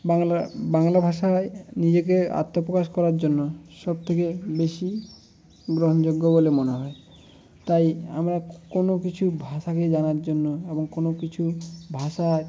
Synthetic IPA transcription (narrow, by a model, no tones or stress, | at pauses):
balabaŋlabʱaʃaenid͡ʑekea̰t̪ːopɾokaʃkɔɾaɾd͡ʑonːoʃɔb̚t̪ʰekebeʃi | ɡɾoɦond͡ʑoɡːobolemoneɦɔe | t̪aja̰mɾakonokit͡ɕʰubʱaʃaked͡ʑanaɾd͡ʑonːoeboŋkonokit͡ɕʰubʱaʃa